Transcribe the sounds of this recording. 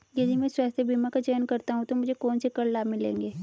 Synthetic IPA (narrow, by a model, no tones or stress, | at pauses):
jɐd̪ʱimɛ̃ːswaːst̪ʰebʱimakad͡ʒɛːnkɐɾt̪aɦũt̪omʊd͡ʒʱekɔːnsekɐɽlaːmɪlḛ̃ːŋɡeː